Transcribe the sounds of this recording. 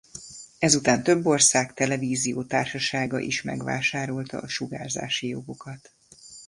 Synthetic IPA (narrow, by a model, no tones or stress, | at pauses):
ɛzut̪aːnt̪ø̞bːo̞rsaːkt̪ɛlɛviːzijoːt̪aːrʃɒʃaːɡɒ̰ʔiʃmɛ̰ɡʋa̰ːʃaːɾo̞lt̪ɒ̰ʔɒʃuɡa̰ːrza̰ːʃijo̞ɡo̞kɒt̪